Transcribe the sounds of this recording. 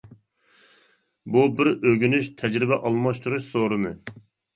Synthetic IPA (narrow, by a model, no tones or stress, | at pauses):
bubɪɾøɡʲynyʃt̪ʰɛd͡ʒɾɪbɛʔɑlˠmɑʃt̪ʰuɾuʃsoɾɨmɨ